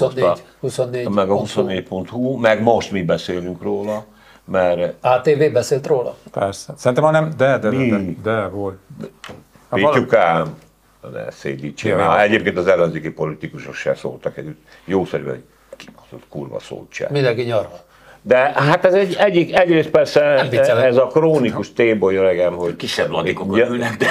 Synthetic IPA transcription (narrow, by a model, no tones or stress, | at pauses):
ohusonːeːmɛɡɒhusonːeːɟpo̞nt̪humɛɡmoʃt̪mibɛseːlyŋkroːlɒ | mɛraːt̪eːveːbɛseːlt̪roːlɒ̰pɛrsɛsɛɾint̪ɛmɒnɛmd̪ɛd̪ɛmid̪ɛvolt̪ | iukɛm | nɛ̰sḛːd̪it͡ʃḛɛɟeːp̚keːnt̪ɒzɛlːɛnzeːkipo̞lit̪ikuʃokʃɛ̰so̰ːlt̪ɒkɛ̰dyt̪ | joːsɛɾybɛ̰ɦo̰̥ | ki̥mot̪o̰t̪kuːrbɒ̰so̰ːlt͡ʃɛ̰mind̪ɛŋkiɲɒrvɔ | d̪ɛɦat̪ɛzɛɟɛɟːikɛɟreːst̪pɛrsɛiɛzɒkroːnikuʃt̪eːbojøɾɛɡɛmhoɟkiʃːɛblɔdkonɛkd̪ɛ